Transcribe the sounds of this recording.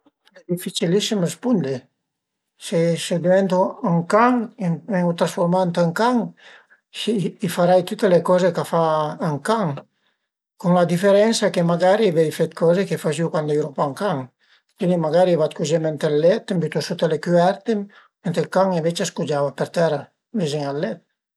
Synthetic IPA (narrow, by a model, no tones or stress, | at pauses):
ɛd̪ifit͡ʃilisimespund̪e | sesed̪eɛnt̪oaŋkaŋmɛŋut̪ɾasfoɾmant̪eŋkaŋ | iːfaɾajt̪ut̪elekɔzekafaːŋkaŋ | kuŋlad̪ifeɾɛnsakemaɡaɾiavɛjfɛt̪̚kʰɔzekefaʒiwkwand̪ajɾopaŋkaŋ | k̪inimaɡaɾiavat̪kud͡ʒemɛnt̪alːɛt̪mbyt̪osut̪elekyɛɾt̪e | ment̪ekaŋemvet͡ʃaskud͡ʒavapeɾt̪ɛɾa | vizeŋalːɛt̪̚